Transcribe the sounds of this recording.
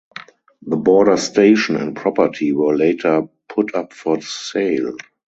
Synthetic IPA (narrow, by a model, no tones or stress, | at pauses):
ðəbɔːɾə˞steɪʃɔ̃nɛ̰̃nt̚pʰɹɔpətʰiwɜ˞leɪtʰə˞pʰʊtʰapfɔðəseɪl